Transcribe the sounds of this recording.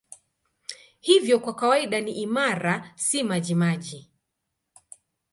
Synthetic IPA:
hivjɔkwakawaiɗaniʔimaɾasimaʄimaʄi

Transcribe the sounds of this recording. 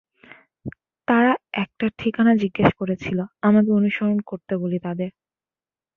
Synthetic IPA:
t̪aɾaɛk̚ʈaʈʰikanad͡ʑiɡːeʃkoɾet͡ɕʰiloamad̪eɾonuʃoɾonkoɾt̪ebolit̪ad̪eɾ

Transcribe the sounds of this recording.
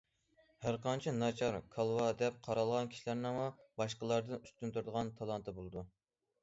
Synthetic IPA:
hæɾqɑnt͡ʃʰinɑt͡ʃʰɑɾkʰɑlˠwɑd̪ɛp̚qʰɑɾɑlˠʁɑnkʲʰi̥ʃilæɾnɪŋmubɑʃqəlˠɑɾd̪ɨnyst̪ynt̪yɾd̪əʁɑnt̪ʰɑlˠɑnt̪ʰɨbolˠɨd̪u

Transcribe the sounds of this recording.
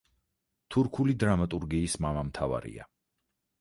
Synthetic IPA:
t̪ʰuɾkʰulid̪ɾamat̪ʼuɾɡiːsmamamt̪ʰava̰ɾḭa̰

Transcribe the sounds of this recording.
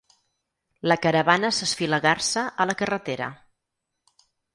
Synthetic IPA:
ləkəɾəβanəsəsfiləɣarsəʔələkərət̪eɾə̰

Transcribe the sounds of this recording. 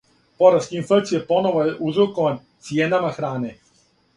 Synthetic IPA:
po̞ɾaskiinfekt̪sijepo̞noʋojeʔuzɾokont̪sijenamaxɾaːne

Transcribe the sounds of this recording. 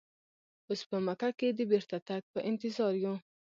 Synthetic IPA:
ospəmakaked̪əbeɾt̪at̪ak̚pəʔɪnt̪ɪzɑɾju

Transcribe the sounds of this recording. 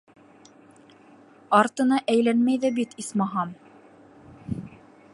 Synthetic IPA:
ɑɾt̪ɤ̆nɑʔæjlænmæjðæbit̪ismɑɦɑm

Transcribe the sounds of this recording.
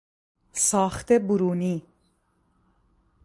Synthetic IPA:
sɑːχt̪ebuɾuːni

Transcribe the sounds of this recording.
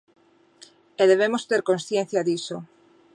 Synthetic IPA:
eðeβ̞emost̪eɾkonsθjen̟θjaðiso

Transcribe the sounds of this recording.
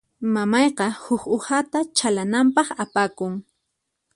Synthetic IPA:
mamɑjqɑhʊkohat̪at͡ʃalanampɑχapakʊŋ

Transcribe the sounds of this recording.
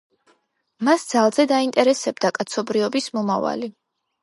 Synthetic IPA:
masd̪z̥alˠzɛd̪aint̪ʼɛɾɛsɛb̚d̪akʼat̪sʰɔbɾiɔbismɔmava̰li

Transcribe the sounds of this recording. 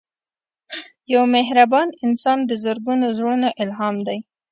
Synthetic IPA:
jawmeɦɾabɑnɪnsɑnd̪əzəɾɡunozɽunaʔɪlɦɑmd̪aj

